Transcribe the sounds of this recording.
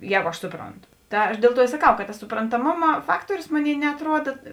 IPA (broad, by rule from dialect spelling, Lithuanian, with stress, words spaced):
ˈjɛːɡʊ ɐʃ ˈsʊproːnˌtʊ ˈtɐ ɐʃ ˈdʲeːlˠ ˌtuɔ ɪ sɐˈkɐʊ kɐt tɐs sʊprɐntɐˈmoːmɐ ˈfɑːktuɔrʲʊs ˈmoːˌnʲeːɪ nʲɛɐtˈruɔdɐ